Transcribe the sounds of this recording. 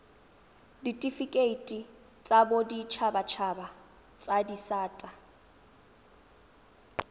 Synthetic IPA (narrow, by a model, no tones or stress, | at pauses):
ditʼifikʼeitʼi | t͡sʼabodit͡ʃʰabat͡ʃʰaba | t͡sʼadisaːtʼa